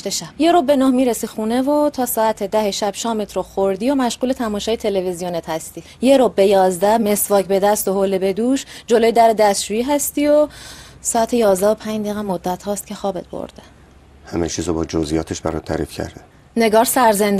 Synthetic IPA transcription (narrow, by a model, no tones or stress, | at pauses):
t̪eʃæb̥je̞ɾobbe̞noːhmiːɾesixuːne̞vot̪ʰɒːsɒːæt̪ʰed̪æheʃæb̥ʃɒːmet̪ʰɾoxoɾd̪ijomæʃɢuːlet̪ʰæmɒːʃɒːjet̪ʰe̞levizijonet̪hæst̪i | je̞ɾobːejɒːzd̪æme̞svɒːcbe̞d̪æst̪oɦolebe̞d̪uːʃd͡ʒolojed̪æɾed̪æst̪ʃuːjiːɦæst̪iosɒːæt̪ʰejɒːzd̪æo̞pʰæɲd͡ʒd̪eːɣæmːod̪ːæt̪ʰhɒːst̪̚cʰe̞xɒːbet̪̚ʰbo̰ɾd̪̥e̥ | hæmet͡ʃʰiːzobɒːd͡ʒozijɒːt̪ʰeʃbæɾɒ̰ːt̪ʰːæ̰ɾḭfcʰæ̰ɾd̪e | ne̞ɡɒːɾsæɾzend̪